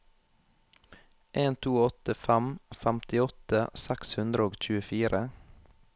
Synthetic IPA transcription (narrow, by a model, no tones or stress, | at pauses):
ʔeːnt̪ʰuːɔt̪əfæmfæmt̪ɪɔt̪əsækshʉnd̪ɾəoːɡc͡çʉːəfiːɾə